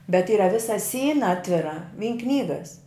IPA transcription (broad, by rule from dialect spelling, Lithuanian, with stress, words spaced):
bʲɛt ˈiːrɐ ˈʋʲɪsɐ ˈsʲiːnɐ ˈɑːtʲʋʲɪrɐ ʋʲiːn ˈknʲiːɡɐs